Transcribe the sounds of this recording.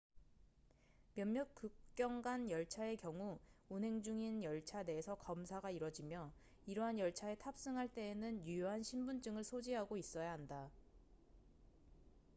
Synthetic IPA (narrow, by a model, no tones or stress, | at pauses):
mjʌmːjʌk͈uk̚k͈jʌŋɡanjʌɭt͡ɕʰae̞kjʌŋuunɦe̞ŋd͡ʑuŋinjʌɭt͡ɕʰade̞ːsʰʌkʌmsʰaɡaiɾwʌd͡ʑimjʌ | iɾʌɦanjʌɭt͡ɕʰae̞tʰap̚s͈ɯŋɦaɭt͈e̞ːnɯnjujoɦanɕʰimbund͡ʑ͈ɯŋɯɭsʰod͡ʑiɦaɡois͈ʌjaɦanda